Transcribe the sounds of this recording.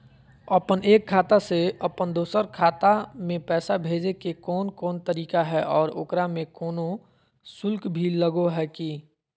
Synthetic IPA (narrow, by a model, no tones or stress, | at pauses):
əpəneːkʰːaːt̪aseəpənd̪oːsəɾkʰaːt̪amẽpɛːsabʱeːd͡ʒekekɔːnkɔːnt̪əɾiːkaɦɛʔɔːɾo̰kɾamẽkɔːno | sʊlkbʱiləɡoɦɛki